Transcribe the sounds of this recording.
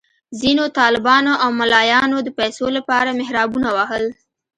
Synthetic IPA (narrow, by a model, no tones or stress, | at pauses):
zinot̪ɑlɪbɑnoʔawmalɑjɑnod̪əpajsolapɑɾamɪhɾɑbunawaɦəl